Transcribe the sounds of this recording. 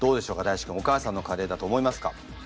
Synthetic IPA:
d̪̥o̞ːd̪e̞ɕo̞ːkad̪aiɕi̥kɯ̟̃o̞kaːsãnːo̞kaɾe̞ːd̪at̪o̞ːmo̞imasɨ̥ka̰

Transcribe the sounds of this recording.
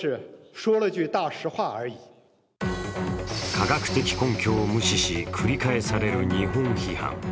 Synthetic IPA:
ɻ̩ʂwɔlət͡ɕyt̪aʂɻ̩xwaəi | kʰaɡakɯ̟̥t̪e̞kʲi̥kõ̞ŋkʲo̞ːmɯ̟ɕiɕikʰɯɾʲikae̞saɾe̞ɾɯ̟ɲiɦõŋ̃çihã̰ŋ

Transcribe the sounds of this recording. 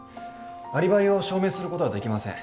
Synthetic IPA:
aɾʲibaio̞ɕo̞ːme̞ːsɨɾɯko̞t̪oad̪e̞kʲimasẽ̞̰

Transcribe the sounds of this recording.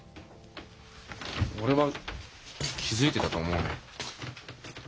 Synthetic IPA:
o̞ɾe̞βa | kʲizɨit̪e̞t̪at̪o̞ːmo̞ɯno̰

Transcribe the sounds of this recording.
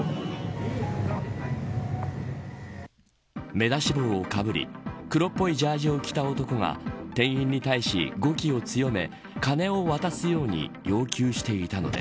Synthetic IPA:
me̞d̪aɕibo̞ːokabɯ̟ɾʲḭkɯ̟ɾo̞pːo̞id͡ʑaːʑio̞kʲi̥t̪ao̞t̪o̞ko̞ŋa̰t̪ẽ̞ɰ̃ĩɲ̟ʲːit̪aiɕḭɡo̞kʲio̞t͡sɨjo̞me̞̰ | kane̞o̞βat̪asɨjo̞ːɲ̟ḭjo̞ːkʲɨːɕi̥t̪e̞it̪ano̞̰d̪e̞̰

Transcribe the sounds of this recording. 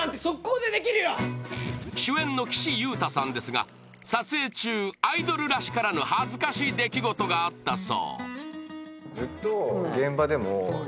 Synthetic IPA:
ãnt̪e̞sokːoːd̪e̞d̪e̞kʲiɾɯ̟jo | ɕɨẽ̞nːo̞kʲi̥ɕijɯ̟ːt̪asãnd̪e̞sɨɡa̰ | sat͡sɨe̞ːt͡ɕɨːaid̪o̞ɾɯ̟ɾaɕi̥kaɾano̞hazɨkaɕiːd̪e̞kʲiɡo̞t̪o̞ɡaːt̪ːaso̰ː | d͡zɨt̪ːo̞ɡẽ̞mbad̪e̞mo

